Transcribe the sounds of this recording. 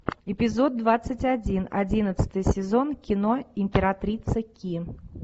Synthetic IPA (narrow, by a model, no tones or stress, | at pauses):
ɪpʲɪzod̪̚dːvat̪sːɨtʲɐdʲinɐ̰dʲinət̪sə̥t̪ɨjəsʲɪzonkʲɪnoɪmʲpʲɪɾat̪ɾʲit̪səkʲi